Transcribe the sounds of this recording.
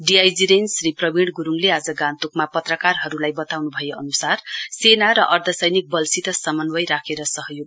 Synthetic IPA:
ɖiajd͡ziɾensriprʌbiɽɡuɾuŋlead͡zʌɡãnt̪ukmapʌt̪rʌkarɦʌɾulajbʌt̪awnubʱʌjeʔʌnusarsenaɾʌʔʌrt̪ʰʌsʌjnik̚bʌlsit̪ʌsʌmʌnwʌjɾakʰeɾʌsʌɦjoɡ

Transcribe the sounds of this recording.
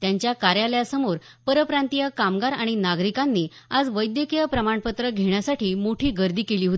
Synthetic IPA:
t̪jaɲt͡ɕjakaɾjaljasəmoɾ | pəɾəpɾant̪ijəkamɡaɾaɽ̃inaɡɾikanːiː | ad͡zʋəjd̪jəkijəpɾəmaɳpət̪ɾəɡʱeɳjasaʈʰiːmoʈʰiːɡəɾd̪ʱiːkeliːɦot̪i

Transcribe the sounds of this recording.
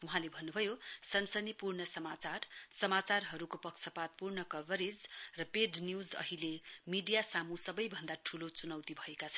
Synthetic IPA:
wuɦãlebʱʌnːubʱʌjosʌnsʌnipurɳʌsʌmat͡sarsʌmat͡sarɦʌɾukopʌksʰʌpat̪̚purɳʌkʌbʌɾid͡zrʌpeɖnjud͡zʌ̰ɦilemiɖijasamusʌbʌjbʱʌnd̪aʈʰulot͡sunʌwt̪ibʱʌekat͡sʰʌn

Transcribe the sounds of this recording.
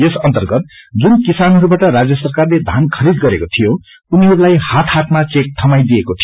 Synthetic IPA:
esʌnt̪ʌrɡʌt̪̚d͡zunkisanɦʌɾubaʈʌɾad͡zjʌsʌrkarled̪ʱankʰʌɾid̪ɡʌɾekot̪ʰijo | uniɦʌɾulajhat̪ʰhat̪mat͡sek̚ʈʰʌmajd̪ijekot̪ʰi

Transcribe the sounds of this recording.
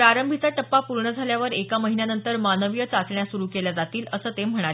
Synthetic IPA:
ɾaɾəmbʱit͡saʈəpːapuɾɳəd͡zʱaljaʋəɾekaməɦinjanənt̪əɾmanəʋijət͡sat͡sɳjasuɾuːkeljad͡zat̪iːləsəːt̪em̤əɽ̃aɾe

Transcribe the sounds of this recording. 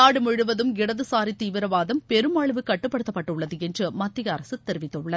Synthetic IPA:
aːɽɯmɔɻɯʋɐðɯmɪɽɐðɯsaːɾit̪ːiːʋɪɾɐʋaːðɐmpɛɾɯmaːɭɯʋɯkːɐʈːɯpːɐɽɯt̪ːɐpːɐʈːɯʊɭːɐðɯɛndrɯmɐt̪ːɪjɐːɾɐsɯt̪ːɛɾɯʋɪt̪ːɐɯɭːɐð

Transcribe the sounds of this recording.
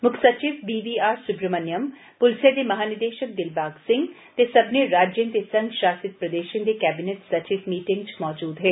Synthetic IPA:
mʊkʰsɐt͡ʃiʋbiːʋiːaːɾsʊpɾəmənjəm | pʊlsẽd̪emɐɦaːnɪd̪eːʃək̚d̪ɪlbaːɡsɪ̃ŋɡ | t̪esɐbneɾaːd͡ʒjə̃nt̪esɐ̃ŋɡʃaːsɪt̪̚pɾɐd̪eːʃə̃nd̪ekɛːbɪneʈsɐt͡ʃiʋmiːʈɪ̃ŋɡt͡ʃmɔːd͡ʒuːd̪ɦɛː

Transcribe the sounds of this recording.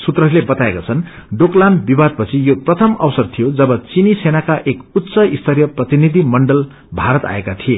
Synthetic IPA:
sut̪rʌɾlebʌt̪aekat͡sʰʌn | ɖoklanbibad̪̚pʌt͡sʰijoprʌt̪ʰʌmʌwsʌrt̪ʰijod͡zʌbʌt͡sinisenakaʔekut̪ːsʌist̪ʰʌɾjʌprʌt̪inid̪ʱimʌɳɖʌl | bʱaɾʌt̪a̰ekat̪ʰie

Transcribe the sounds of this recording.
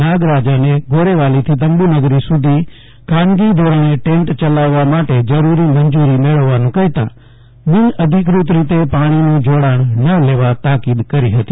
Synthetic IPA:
naːɡɾaːd͡ʒanẽɡʱoːɾeʋaːlit̪ʰit̪ɐ̃mbunɐɡɾisʊd̪ʱi | kʰaːnɡid̪ʱoːɾãnẽʈẽːɳʈt͡ʃɐlaːʋamaːʈed͡ʒɐɾuːɾimɐ̃ɲd͡ʒuːɾimeːɭəʋʋaːnũkɐɦɪt̪ã̰ː | ʋɪnɐd̪ʱɪk̬ɾut̪̬ɾit̪epaːɽ̃inũːd͡ʒoːɽaːɽ̃nɐleːʋat̪aːkid̪kɐɾiɦɐt̪i̥ː

